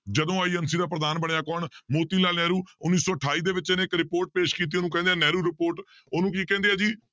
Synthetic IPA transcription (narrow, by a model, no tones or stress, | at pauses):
d͡ʒəd̪õːaːiːənsiːd̪aːpɾəd̪aːnbəɳejaːkɔːɳmoːt̪iːlaːlnɛːɾuːʊnːiːsɔːəʈʰaːiːd̪eːʋɪt͡ʃɪneːɪkɾɪpoːɾʈ̚peːʃkiːt̪̬iːoːnũːkɛ̃ːnd̪eɛ̃ːnɛːɾuːɾɪpoːɾʈ | oːnũːkiːkɛ̃ːnd̪eːɦɛːd͡ʒiː